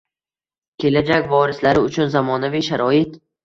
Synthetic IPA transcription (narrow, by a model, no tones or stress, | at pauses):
kʲʰe̞lad͡ʒakʲvɒɾɪslaɾɪʊt͡ʃʰʊnzamɒnaviʃaɾɒɪt̪